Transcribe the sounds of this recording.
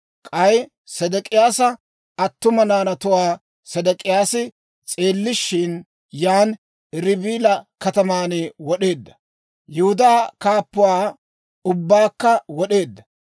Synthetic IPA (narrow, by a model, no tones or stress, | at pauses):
kʼɐj | sɐd̪ɛkʼɪjaːsɐ | ɐt̪ːʊmɐnaːnɐt̪ʊwaː | sɐd̪ɛkʼɪjaːsɪ | t͡sʼe̞ːlːɪʃːɪn | jaːn | ɾɪbiːlɐkɐt̪ɐmaːnɪwɔɗe̞ːd̪ːɐ | jɛhʊd̪aːkaːpːʊwaː | ʊbːaːkːɐwɔɗe̞ːd̪ːɐ